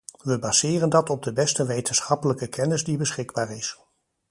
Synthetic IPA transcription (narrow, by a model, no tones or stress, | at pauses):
ʋəbaz̥ɪːrəndɑtɔb̚dəbɛstəʋejtənsχɑpələkəkʰɛnɪzdibəsχɪɡ̚baːɹɪs